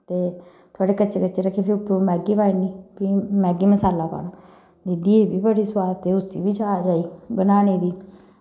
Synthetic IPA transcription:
t̪eː | t̪ʰoaːɽeːkət͡ʃekət͡ʃeːɾəkʰːeːpʰɪʊpːɾuːmɛːɡiːpaːiniːpiːmɛːɡiːməsaːlaːpa̰ːnaː | d͡ʒɪd̪iːeːbiːbəɽiːswaːd̪ət̪eʊsḭːbiːd͡ʒaːd͡ʒaːiːbənaːneːd̪iː

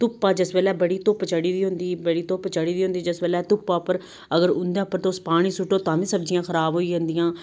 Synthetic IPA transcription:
t̪ʊpːaːd͡ʒɪsbeːlɛːbəɽiːt̪opt͡ʃəɽiːd̪iːɦʊ̃nd̪iːbəɽiːt̪oːpt͡ʃəɽiːd̪iːɦʊnd̪iːd͡ʒɪsbeːlɛːt̪ʊpːaːpəɾ | əɡəɾʊnd̪ɛːpːəɾt̪aʊspaːɽ̃ĩːsʊʈːoːt̪ãːʋĩːsəbd͡ʒɪjãːkʰəɾaːbɦoːiːd͡ʒãːnd̪ijãː

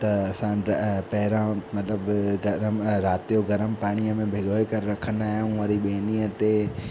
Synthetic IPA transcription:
t̪ɐɐsãpɐɦɪɾãmɐt̪ləbɡɐɾəmɾaːt̪ijoɡɐɾəmpaːɽ̃ijəmẽbʱɪɡoːekɐɾɾɐkʰənaːɦɪjãʋaɾiɓeːniːət̪e

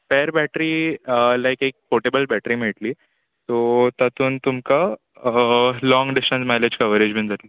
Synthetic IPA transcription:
feɾbæʈɾiːlajkek̚foʈebəlbæʈɾiːm̤eɭʈliː | t̪ot̪at̪uːnt̪umka | lɔŋɡɖisʈənsmaled͡ʑkəʋəɾed͡ʑmẽnd͡zat̪l

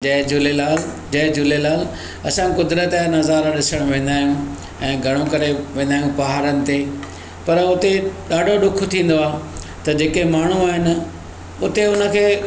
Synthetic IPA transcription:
ɐd͡ʑʊlelaːl | d͡ʑɐɦd͡ʑʊlelaːl | ɐsãkʊd̪ɾət̪ːnɐzaːɾaɗɪsəɽ̃ʋẽːnd̪aːɦijũ | ɛ̃ːɡʱɐɽ̃okɐɾeʋẽːn̆d̪aːjũpɐɦaːɾənɪ̆t̪e | pɐɾʊt̪eɗaːɖʱoɗʊk̆ʰt̪ʰĩːn̆d̪oaː | t̪ɐd͡ʑeːkeɦmaːɳ̤uaːɦɪnɪ̆ | ʊt̪eʊnə̆kʰeː

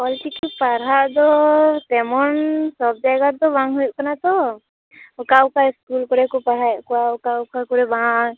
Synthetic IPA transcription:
pɔlʈikipaɾaʔd̪ɔt̪ɛmɔnsɔb̚d͡ʒaɡaɾd̪ɔbãŋɡɦujʔkɔnat̪ɔ | ʊkaukaɪskulkɔɾɛkɔpaɾ̤aɛʔkɔaʊkaʊkakɔɾɛbãŋ

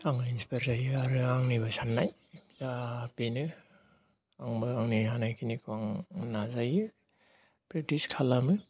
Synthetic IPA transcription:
aŋɯinspeɾzajɯaɾɯaŋnibasanːaj | zabenɯ | aŋbɯaŋniɦanajkʰinikʰɯaŋnazajɯ | pɾitiskʰalamɯ

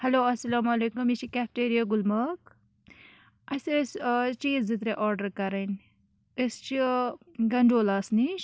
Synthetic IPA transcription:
hɐloːɐsɐlamɐlekumit͡ʃʰikʲaːp̚ʰʈeːɾijaɡulmɐk̚ | ɐsest͡ʃiːd͡zit̪ɾeʔɔːɾɖɐɾkɐɾɐn | est͡ʃʰi | ɡɐɳɖoːlaːsniʃ

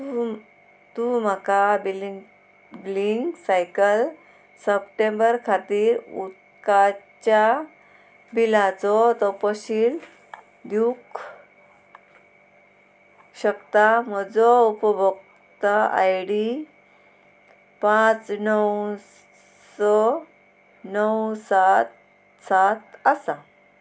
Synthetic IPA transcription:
t̪um̤akabil | bliŋɡsajkəl | səpʈẽmbəɾkʰat̪iːɾut̪̚ | kat͡ɕja | bilat͡sɔt̪ɔpɔɕil | d̪juk | ɕəkt̪am̤əd͡zɔupəbʱək | t̪aa̰jɽi | pãt͡snəw | sɔ | nəwsat̪ | sat̪əsa

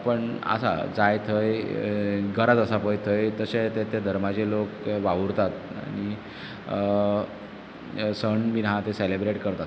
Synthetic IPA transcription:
pəɳa̰sa̰d͡zajt̪ʰəj | ɡʱəɾat̪əsapəjt̪ʰəjt̪əset̪et̪ed̪ʱəɾmat͡ɕelokʋaʋuɾt̪at̪a̰ñi | səɳmiɾɦãt̪eselebɾeʈkəɾt̪at̪

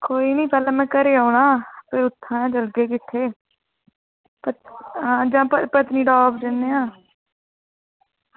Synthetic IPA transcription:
koːiːniːpɛːlãːmɛ̃ːkəɾeːaːʊɳaːpɪɾʊt̪ʰːãːãːd͡ʒəlɡeːk̬ɪt̪ʰːeː | pəãːd͡ʒãːpəpət̪nĩːɖɔːbd͡ʒ̪ɪnːeːãː

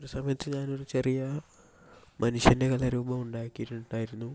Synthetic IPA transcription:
oɾusɐmɐjɐt̪ːɨɲaːno̞ɾut͡ɕe̞rijɐ | mɐnuʂjɐnde̞kɐlɐɾuːbɐmuɳɖaːjkːijiʈːunuɳɖaːjiɾunːu

